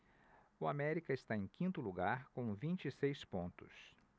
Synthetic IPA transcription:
ʊamɛɾikɐɪst̪aẽj̃kʰĩnt̪ʊluɡaɾkõw̃vĩnt͡ʃisejspõnt̪ʊ̰s

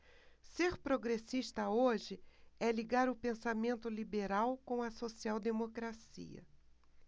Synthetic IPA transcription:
seɾpɾoɡɾesiʃt̪ɐoʒɪɛliɡaɾʊpẽsamẽnt̪ʊlibeɾawkõɐsosiawd̪emokɾasḭɐ̰

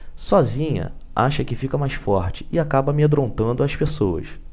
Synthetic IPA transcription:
sɔzĩɲɐ̰a̰ʃɐkɪfikɐmajsfɔɾt͡ʃɪ̥ɪakabɐmed̪ɾõnt̪ɐ̃nd̪ʊɐʃpesowɐ̰s

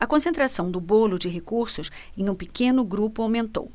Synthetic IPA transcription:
ɐkõsẽnt̪ɾasɐ̃w̃d̪ʊbolʊd͡ʒɪɦekuɾsʊsẽj̃ũpɪkẽnʊɡɾupʊawmẽnt̪o̰w

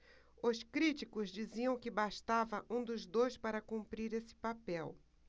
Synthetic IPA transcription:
ʊskɾit͡ʃikʊzd͡ʒiziɐ̃w̃kɪbaʃt̪avɐʔũd̪ʊzd̪ojspaɾɐkũmpɾiɾesɪ̥papɛw

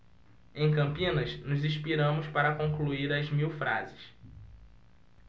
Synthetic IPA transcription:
ẽj̃kɐ̃mpĩnɐsnʊzĩʃpiɾɐ̃mʊspaɾɐkõkluiɾɐzmiwfɾa̰zɪs

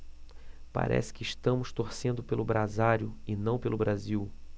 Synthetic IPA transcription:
pa̰ɾʔɛ̰sɪ̥kɪʃt̪ɐ̃mʊst̪oɾsẽnd̪ʊpelʊbɾazaɾjʊɪnɐ̃w̃pelʊbɾaziw

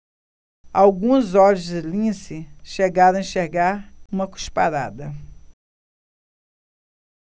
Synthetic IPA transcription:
awɡũzɔʎʊzd͡ʒɪlĩsɪʃeɡaɾɐ̃w̃ĩʃeɾɡaɾũmɐku̥ʃpaɾad̪ɐ

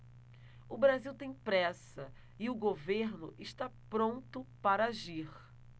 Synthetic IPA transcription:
ʊbɾaziwt̪ẽj̃pɾɛsɐ | ɪʊɡoveɾnʊ̰ʔɪʃt̪apɾõnt̪ʊpaɾɐaʒiχ

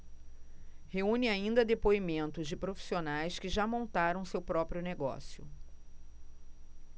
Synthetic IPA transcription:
heũnɪaĩnd̪ɐd̪epoimẽnt̪ʊzd͡ʒɪpɾofi̥sionajskɪʒamõnt̪aɾɐ̃w̃sewpɾɔpɾjʊneɡɔ̰sjʊ̰

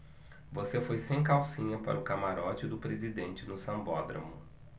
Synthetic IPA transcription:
vosefojsẽj̃kawsĩɲɐpa̰ɾɐʊkamaɾɔt͡ʃɪd̪ʊpɾezid̪ẽnt͡ʃɪnʊsɐ̃mbɔd̪ɾɐ̰mʊ

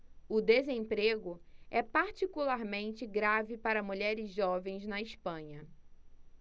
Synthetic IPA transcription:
ʊd̪ezẽpɾeɡʊɛpaɾt͡ʃikulaɾmẽnt͡ʃɪɡɾavɪpaɾɐmuʎɛɾɪzʒɔvẽj̃znɐɪspɐ̃ɲɐ

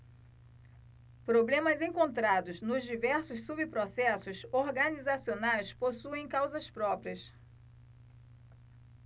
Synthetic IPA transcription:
pɾoblẽmɐzẽŋkõnt̪ɾad̪ʊznʊzd͡ʒivɛɾsʊsːubipɾosɛsʊsoɾɡɐnizasionajsposuẽj̃kawzɐspɾɔpɾiɐs

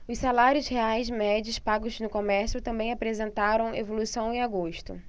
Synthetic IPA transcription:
ʊssalaɾiʊzheajzmɛd͡ʒiʊspaɡʊznʊkomɛɾsjʊt̪ɐ̃mbẽj̃apɾezẽnt̪aɾɐ̃w̃evolusɐ̃w̃ẽaɡoʃt̪ʊ̰

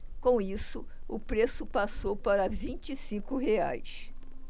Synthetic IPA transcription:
kõw̃isʊʊpɾesʊpasowpaɾɐvĩt͡ʃisĩkʊhea̰js

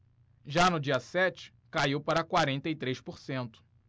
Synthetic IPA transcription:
ʒanʊd͡ʒiɐsɛt͡ʃɪ̥ | kaiwpaɾɐkwaɾẽnt̪ɐit̪ɾejʃpoɾsẽnt̪ʊ̥

